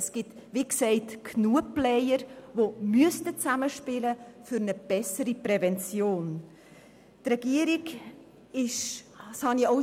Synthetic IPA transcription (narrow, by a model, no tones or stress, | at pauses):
əsɡ̥ɪtʋiksɛɪtkʰnuəplɛɪjəɾʋomyəstət͡saməʃpɪləfʏɾnəb̥ɛsəɾipɾɛvɛnt͡sjoːn | trɛɡ̥iəɾiɡ | ɪʃ | shɑnio